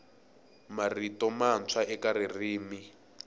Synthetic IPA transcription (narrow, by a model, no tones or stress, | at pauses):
maritɔmant͡sʰwaɛkaririːmi